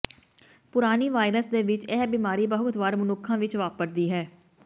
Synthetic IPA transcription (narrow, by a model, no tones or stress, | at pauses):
pʊɾaːniːʋaːɪɾəsd̪eːʋɪt͡ʃɛːbiːmaːɾiːbəɦʊkt̪ʋaːɾmʊnʊkʰːãːʋɪt͡ʃʋaːpəɾd̪iːɦɛː